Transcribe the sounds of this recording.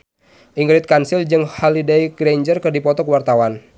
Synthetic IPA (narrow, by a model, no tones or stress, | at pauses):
ʔiŋɾɪt̪̚kansild͡ʒɨŋhalidaiɡɾeɲd͡ʒərkɨrdipɔt̪ɔkwart̪awan